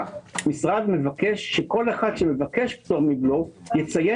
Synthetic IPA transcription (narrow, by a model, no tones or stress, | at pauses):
misʁad̪me̞vakeʃːeko̞leχad̪ʃeme̞vake̞ʃpt̪oʁmiblojet͡saje